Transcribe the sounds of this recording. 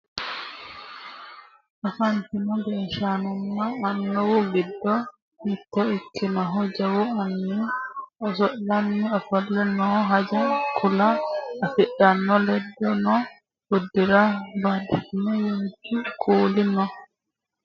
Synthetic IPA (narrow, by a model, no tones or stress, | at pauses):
ʔafant̪inɔbɛnʃanɔnːaːnːɔwɔɡidːɔ | hit̪ːɔikːinaɦɔd͡ʒawɔanːiɔsɔʔlanːiɔfɔlːɛnɔɦad͡ʒakʰulaːfɛɗːanːɔlɛdːɔnɔ | budːiɾabadikinɔjohd͡ʒikʼoːlinɔ